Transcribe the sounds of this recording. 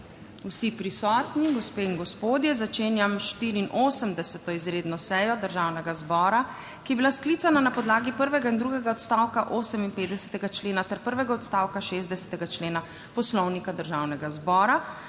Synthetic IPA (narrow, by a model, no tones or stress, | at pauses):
usipɾisɔːt̪niɡɔspeːinɡɔspoːd̪jɛzat͡ʃeːnjamʃt̪iːɾiːnʔoːsəmd̪ɛsɛt̪ɔizɾeːd̪nɔsɛjɔd̪əɾʒaːwnɛɡazbɔːɾa | kijɛbilaskliːt̪sananapɔd̪laːɡipəɾʋɛɡaind̪ɾuːɡɛɡaɔt̪st̪aːwkaʔoːsəminpeːt̪d̪ɛsɛ̥t̪ɛɡat͡ʃleːnat̪ɛɾpəɾʋɛɡaɔt̪st̪awkaʃeːzd̪ɛsɛ̥t̪ɛɡat͡ʃleːna | pɔslɔwnikad̪əɾʒaːwnɛɡazbɔːɾa